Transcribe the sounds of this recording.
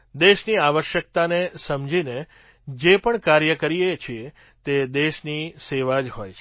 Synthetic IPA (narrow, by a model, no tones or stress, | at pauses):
d̪eʃniaʋəʃjək̚t̪anesəmd͡ʒine | d͡ʒepəɳkaɾjəkəɾiet͡ʃʰie | t̪ed̪eʃniseʋad͡ʒɦojt͡ʃʰ